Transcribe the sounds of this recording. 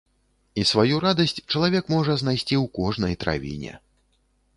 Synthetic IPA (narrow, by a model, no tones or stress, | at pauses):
isvajuɾad̪ɐsʲt͡sʲt͡ʂɐlˠavʲɛkmɔʐɐznajsʲt͡sʲiwkɔʐnɐjt̪ɾa̰vʲḭnʲɛ̰